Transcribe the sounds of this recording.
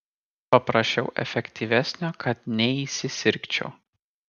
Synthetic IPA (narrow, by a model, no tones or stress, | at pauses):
pɐpɾɐʃʲt͡ʃʲɛʊʔɛ̰fʲɛkʲt̪ʲiʋʲæsʲnʲoːkʰɐt̪nʲɛiːsʲɪsʲɪɾʲkt͡ʃʲɛ̰ʊ